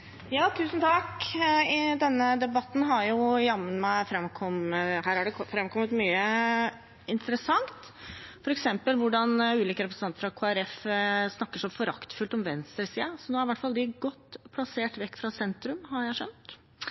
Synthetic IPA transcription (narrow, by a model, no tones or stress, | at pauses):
jɑːt̪ʰʉːsən̩t̪ʰɑkɪd̪ɛnːəd̪ɛbɑt̪ːn̩ɦɑɾjʊjɑmːənmæɪfɾɛmkʰɔməɦæːɾɑɖɛfɾɛmkʰɔmːət̪myːə | ɪnt̪əɾəsɑŋt̪ | fɔɾɛksɛmpəlʋʊɖɑnʉːliːkəɾɛpɾəsnɑnt̪əfɾɑkʰoːæɾɛfsnɑkːəʂɔfɔɾɑ̰kt̪fʉlt̪ɔmʋɛnst̪ɾəsiːɑsɔnoːæɾɪʋæʈfɑld̪ɪɡɔt̪ːpʰlɑseːʈʋɛkːfɾɑsɛnt̪ɾʉmɦɑɾjæɪʂœnt̪